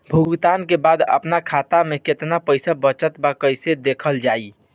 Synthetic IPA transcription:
bʱuɡt̪aːnkebaːd̪ə̰pnakʰat̪ameket̪napəɪsabət͡ʃət̪bakəɪsed̪ekʰəld͡ʒaːi

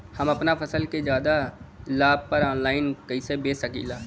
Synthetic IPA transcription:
hɐmɐpnafʰɐsəlked͡ʒjaːd̪alaːb̚pɐɾɔːnlaːɪnkɐisebeːsɐkḭːlaː

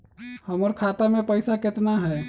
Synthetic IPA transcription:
həməɾkʰat̪amẽpəɪsakɪt̪naɦɛ

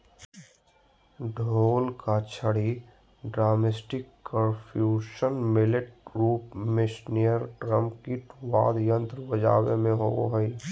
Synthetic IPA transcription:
ɖʱoːlkat͡ʃʰəɽi | ɖɾaːmesʈɪkːə̃npʰjuːʃənmɪlɪʈ̚ɾuːpmɪʃnijəɾʈɾə̃mpkiʈʋa̰ːd̪jə̃nt̪ɾəʋəd͡ʒa̰ːwḛmẽɦoo̰ɦəi

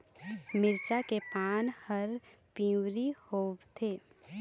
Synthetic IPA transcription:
mɪɾt͡ʃakepaːnhəɾ | pĩwɾihoːbt̪ʰeː

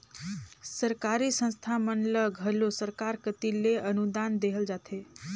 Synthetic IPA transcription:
səɾkaɾisə̃nst̪ʰamənləɡʱɦəlosəɾkaɾkət̪ileənud̪and̪eɦəld͡ʒat̪ʰe

